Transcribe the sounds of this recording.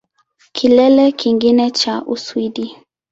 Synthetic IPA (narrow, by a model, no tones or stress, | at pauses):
kʰilɛlɛkʰiŋɡinɛt͡ʃaʔuswiɗi